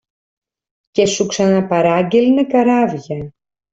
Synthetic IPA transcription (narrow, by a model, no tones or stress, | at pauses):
ce̞suksɐnɐpɐɾɐɟelnekɐɾɐvʝɐ